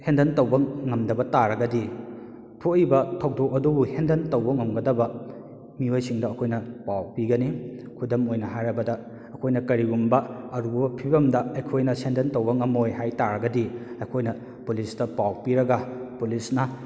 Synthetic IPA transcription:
hendɐntɐwbɐŋɐmdɐbɐtaɾɐɡɐdi | pʰuijbɐtʰow̚dɔk̚ɐdubuhendɐntɐwbɐŋɐmɡɐdɐbɐ | miojsiŋdɐːkʰojnɐpawpiɡɐni | kʰudɐmojnɐɦajɾɐbɐdɐː | kʰojnɐkɐɾiɡumbɐɐɾubbɐpʰibɐmdɐɐjkʰojnɐsendɐntɐwbɐŋɐmojɦajtaɾɐɡɐdiɐjkʰojnɐ | pulisdɐpawpiɾɐɡɐpulisnɐ

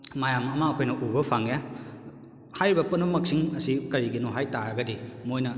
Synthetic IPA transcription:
majamɐmɐɐkʰojnɐʔubɐpʰaŋja | hajɾibɐpɐnbɐmɐk̚siŋɐsikɐɾiɡinuɦajtaɾɐɡɐdimojnɐ

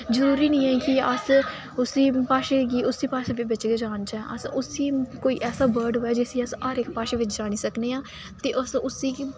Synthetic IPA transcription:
zəɾuːɾiːnĩːɛ̃ːkɪəs | ʊsiːpaːʃeːkiːʊsiːpaːʃeːʋɪʋɪt͡ʃɡeːd͡ʒaːnt͡ʃaɛ̃ʔə̰sʊsiːkoːiːʔɛːsaːbəːɾɖɦoːɛːd͡ʒesiːəsaːɾɪkpaːʃeːʋɪt͡ʃd͡ʒaːɽ̃iːsəkneːãː | t̪eːʔəsʊsiː

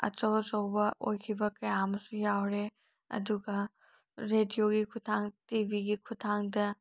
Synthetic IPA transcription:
ɐ̰t͡ʃosɐwbɐʔojkʰibɐkɐjamɐsujawɾe | ɐ̰duɡɐ | ɾedijoɡikʰutʰaŋtibiɡikʰutʰaŋdɐ

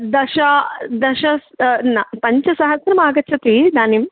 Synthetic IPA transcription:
d̪ɐʃɐd̪ɐʃɐsnɐpɐɲt͡ʃɐsɐɦɐsɾɐmaːɡɐt͡ʃʰɐt̪id̪aːnim

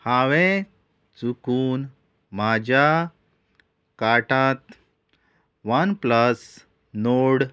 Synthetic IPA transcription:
haʋɛ̃ | t͡sukuːn | mad͡ʑʱja | kaʈat̪ | ʋənpləs | noɽ

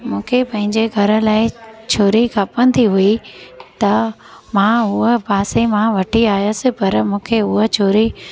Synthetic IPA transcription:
mũːkʰepɐ̃ɦɪ̃ɲd͡ʑeɡʱɐɾə̆laːɪt͡ɕʰoːɾikʰapə̃nd̪iɦuit̪ɐ | mãɦʊɦəpaːsemãʋɐʈʰiaːjəsɪ̆pɐɾmũːkʰeʊɦət͡ɕʰoːɾi

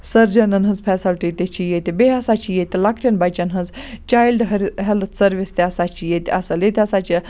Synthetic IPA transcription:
sɐɾd͡ʒɐnɐnɦɐnzpʰɛːsɐlʈit̪et͡ʃijet̪ibeɐsat͡ʃijet̪ilakʰʈɐnbɐjt͡ʃɐnɦɐnzt͡ʃaːjlɖɦɐɾɦɛlt̪sɐɾʋist̪eɐsaːt͡ʃijet̪ɐsɐlet̪ʲɐsaːt͡ʃi

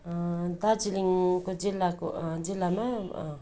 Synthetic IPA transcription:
dad͡ʒiliŋkod͡ʒilakod͡ʒilama

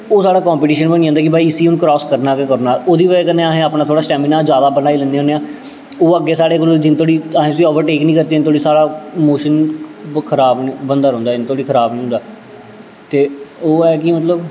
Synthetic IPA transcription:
oːsaːɽaːkɔːmpɪʈiːʃənbənĩːnd̪aːkɪbʱaːiːsiːʊnkɾɔːskəɾnaːkɪkəɾnaːoːd̪iːʋəːkəneːaːɦẽːaːpnaːt̪ʰoːɽaːsʈɛːmɪnaːzjaːd̪aːbənaːiːlə̃nd̪eːɦõːneãː | oːəɡːeːsaːɽeːk̬old͡ʒɪnt̪ʰoːɽiːaːɦẽːsiːɔːʋəɾʈeːknĩːkəɾt̪eːɪnt̪ʰoːɽiːsaːɽaːmoːʃənkʰəɾaːbnibənd̪aːɾõːnd̪aːɪnt̪oːɽiːkʰəɾaːbnĩːɦʊ̃ːnd̪aː | t̪eːoːɛːk̬iːmət̪ləb

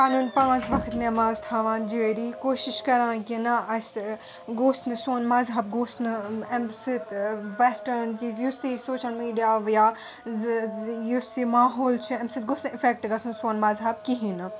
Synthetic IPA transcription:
kaːnuːnpãːt͡ʃʋɐkʰt̪nemɐzt̪ʰaːʋãːnd͡ʒeːɾiːkoːʃiʃkɐɾãːkinɐɐs | ɡoːsnɨsoːnmɐzɦɐb̚ɡoːsnɨɛmsit̪ʋɛsʈɐɾnt͡ʃizjusisoːʃɐlmiːɖijaːʋjaː | jusimaːɦoːlt͡ʃʰuɛmsit̪̚ɡoːsnɪfʰek̚ʈɡɐsnsoːnmɐzɦɐb̚kiɦinɨ

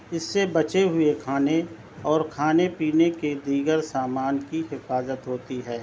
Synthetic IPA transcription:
ɪsːebɐt͡ʃeɦʊekʰaːne | ɔːɾkʰaːnepiːneked̪iːɡəɾsaːmaːnkiɦɪfaːzət̪ɦoːt̪iɦɛː

